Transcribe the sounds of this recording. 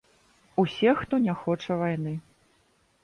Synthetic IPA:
usʲɛxt̪ɔnʲaxɔt͡ʂɐvajnɨ

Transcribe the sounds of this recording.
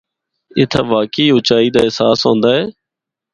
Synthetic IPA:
ɪt̪ʰaːʋaːkiːʊt͡ʃaːiːd̪aːɪsaːsɦõːnd̪aːɦeː

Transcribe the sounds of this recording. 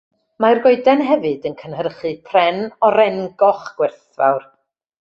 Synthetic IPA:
marɡɔɨdɛnɦɛvɨdənkʰənhərχɨpʰrɛnɔɾɛŋɡɔχɡ̥wɪrθva̰wr

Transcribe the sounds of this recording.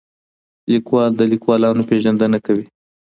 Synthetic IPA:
likwɑld̪əlikwɑlɑnopeʒand̪ənakawi

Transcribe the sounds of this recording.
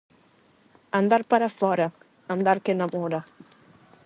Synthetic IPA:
and̪aɾpaɾafɔɾɐ | and̪aɾkenamɔɾa

